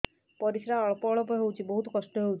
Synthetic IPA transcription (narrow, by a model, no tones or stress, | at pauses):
pɔɾisɾaɔɭɔpɔɔɭɔpɔɦewt͡ʃʰibɔɦut̪kɔsʈɔɦewt͡ʃ